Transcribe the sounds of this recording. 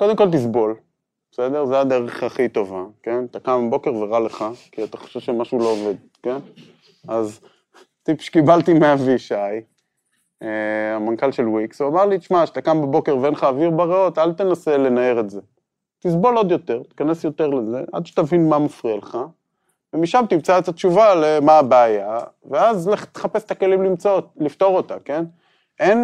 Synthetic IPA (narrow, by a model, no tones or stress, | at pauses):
ko̞d̪e̞mko̞lt̪̬isbo̞l | b̥ese̞d̪e̞ʁzead̪e̞ʁeχaχit̪o̞vake̞nt̪akambo̞keʁveʁale̞χakiat̪aχo̥ʃevʃemaʃulo̞ove̞d̪ | ken | az | t̪ipʃkibalt̪imeaviʃaj | eamankalʃe̞lwiksuamaʁliʃmaʃe̥t̪akambabo̞keʁvenχaːviʁbaʁeo̞t̪alt̪e̞nase̞le̞naeʁetze̞ | t̪isbo̞lo̞d̪jo̞t̪e̞ʁt̪e̥kane̞sjo̞t̪e̞ʁleze̞ʔa̰d̪ʃe̥t̪avinmamafʁialeχa | vemiʃamt̪imt͡saet̪at̪t͡ʃuvalemaːbeːja | veazlet̪e̥χape̞se̥t̪akelimlimt͡sotlift̪o̞ʁo̞t̪ake̞n | ʔe̞n